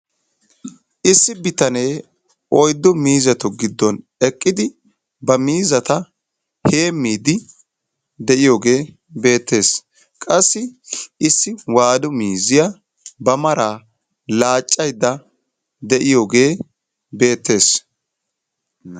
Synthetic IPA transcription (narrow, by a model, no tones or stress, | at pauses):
ʔɪsːɪbɪt̪ɐne̞ː | ɔjd̪ːɔmiːzɛt̪ɔɡɪd̪ːɔn | ɛkʼːɪd̪ɪ | bɐmiːzɐt̪ɐ | he̞ːmːiːd̪ɪ | d̪ɛʔɪjo̞ːɡe̞ː | be̞ːt̪ːe̞ːs | kʼɐsːɪɪsːɪwaːd̪ʊmiːzɪjɐ | bɐmɐɾaː | laːt͡ʃʼːɐjd̪ːɐ | d̪ɛʔɪjoːɡe̞ː | be̞ːt̪ːe̞ːs